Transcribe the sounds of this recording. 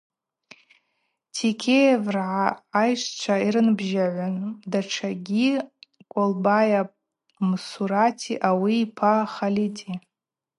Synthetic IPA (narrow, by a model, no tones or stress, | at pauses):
tʰikʲʰejevrʕaːjʂt͡ʃʷʰaiɾɨnbʒaʕʷandaʈ͡ʂʰaɡʲikʷʼolbaja | msuɾatʰiʔawiːpʰaχalitʰʼi